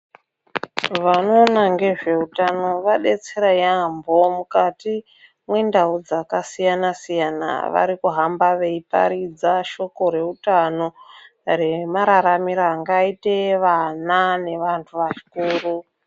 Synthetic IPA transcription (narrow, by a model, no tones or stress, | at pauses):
ʋano̞ːnaŋɡe̞ʐe̞utano̞ʋaɗe̞t͡se̞ɾajambo̞mukati | mwendaud͡zakasijanasijana̰ʋa̰ɾikuɦambaʋe̞ipa̰ɾid͡zaʃo̞ko̞ɾe̞utano̞ | re̞maɾaɾamiɾaːŋɡaiteʋanane̞ʋantʰuʋaʃi̥kuːru